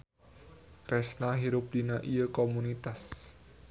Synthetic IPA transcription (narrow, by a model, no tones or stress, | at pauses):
kɾɛsnaɦiɾʊp̚d̥inaʔijəkomunit̪as